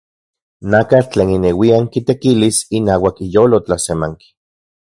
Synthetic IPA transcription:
nakat͡ɬeːninewiaŋkit̪ekilisinaːwakijoːlot͡ɬasemaŋki̥

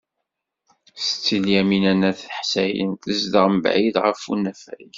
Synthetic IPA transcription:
st͡sːəljæminænæθħsæjə̰nt̪əzd̪əʁməbʕiðʁəfunæfæ̰j

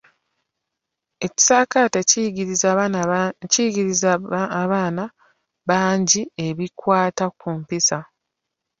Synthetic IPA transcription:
e̞ci̥saːkatez | ciɡiɾizβaːna | βaːɲɟie̞βikwaːtakumpisa

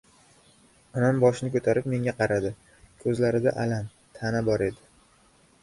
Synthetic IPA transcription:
ɒnambɒʃɪnɪkʰɵt̪ʰaɾɪp̚me̞ŋʲaqʰɑɾad̪ɪ | kʰɵzlaɾɪd̪aʔalan | t̪ʰanabɒɾe̞d̪ɪ

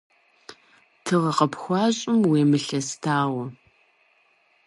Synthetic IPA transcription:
tʰɨʁɐqɐpxʷɑːɕʼɪmweːmɨɬɐstʰaːwɐ

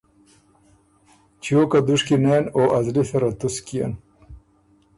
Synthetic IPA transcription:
t͡ɕjoːkad̪uʂkineːnoːʔɐzliθɐɾat̪uskija̰n

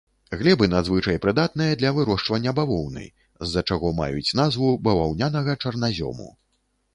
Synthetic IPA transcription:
ɣlʲɛbɨnad̪zvɨt͡ʂɐjpɾɨd̪at̪̚nɨjɐd̪lʲɐvɨɾɔʂt͡ʂvɐnʲːɐbavɔwnɨ̰ | zːɐt͡ʂaɣɔma̰jut͡sʲnazvubɐvawnʲanɐɣɐt͡ʂɐrnazʲɔ̰mṵ

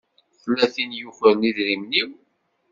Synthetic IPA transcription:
θəlːæθinjʊχəɾniðɾimniw

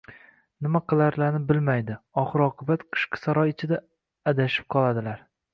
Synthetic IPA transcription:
nɪmaqɨlˠaɾlaɾnɪbɪlmajd̪ɪɒχɨɾɒqʰɨbat̪qʰɨ̥ʃqʰɨ̥saɾɒjɪt͡ʃʰɪd̪aː | d̪aʃɪ̥p̚qʰɒlˠad̪ɪlaɾ

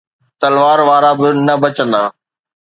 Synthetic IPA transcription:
t̪ɐlʋaːɾʋaːɾabɪnɐbɐt͡ɕə̃nd̪aː

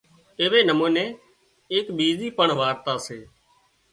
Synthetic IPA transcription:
eːʋeːnəmũːnẽː | eːkɓiːziːpəɳʋaːɾt̪aːseː

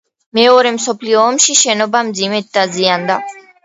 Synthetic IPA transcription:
mɛɔɾɛmsɔpʰliɔːmʃiʃɛnɔbamd̪zimɛt̪̚d̪aziand̪a

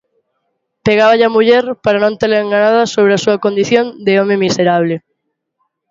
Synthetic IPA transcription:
peɣaβaʎamuʎɛɾpaɾanõnt̪eɾlaeŋɡanaðɐsoβ̞ɾeasuɐkond̪iθjond̪eomemiseɾaβ̞lɪ

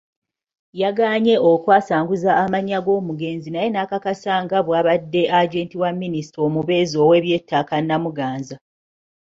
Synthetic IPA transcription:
jaɡaːɲe̞okwaːsaːŋɡuzaːmaɲːaɡo̞ːmuɡe̞ːnzinaje̞nakakasaŋɡaβwaːβadːe̞ʔaɟe̞ːntiwamːinisi̥tɾomuβe̞ːzo̞ːwe̞ːβje̞ːtːaːkanːamuɡaːnza

